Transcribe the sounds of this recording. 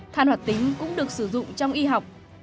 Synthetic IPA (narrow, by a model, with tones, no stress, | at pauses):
t̪ʰaː˧nwaː˨˩t̚t̪ï˨˦ŋ̟kʊ̰˧˥ŋ͡mɗɨ˨˩ək̚sɨ˧˩zʊ̰˧˨ŋ͡mt͡ɕɔ˧wŋ͡mʔi˧ɦa˨˩wk͡p̚